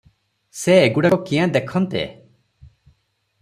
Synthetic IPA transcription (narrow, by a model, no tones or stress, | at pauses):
seːɡuɽakɔkĩjãd̪ekʰɔnt̪ḛ